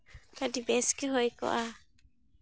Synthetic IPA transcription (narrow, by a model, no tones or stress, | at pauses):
kadibɛskɛɦojkɔ̰ʔa